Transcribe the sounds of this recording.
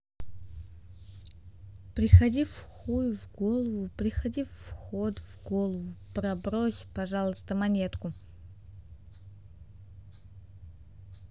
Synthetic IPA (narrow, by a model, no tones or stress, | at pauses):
pɾʲɪxɐdʲifxujvɡolˠəvʊpɾʲɪxɐdʲifxot̪vɡolˠəvʊpɾɐbɾosʲpɐʐalˠəst̪əmɐnʲet̪kʊ